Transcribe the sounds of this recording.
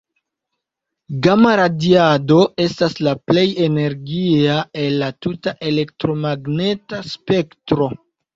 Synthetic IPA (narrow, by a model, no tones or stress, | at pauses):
ɡamaɾadiado̞e̞staslaple̞je̞ne̞ɾɡiae̞lːatutaʔe̞le̞k̚tɾo̞maɡne̞taspe̞ktɾo̞